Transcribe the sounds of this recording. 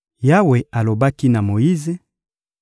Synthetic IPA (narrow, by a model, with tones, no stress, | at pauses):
ja˦we˨a˨lo˨ba˦ki˦na˨mo˨ji˦ze˦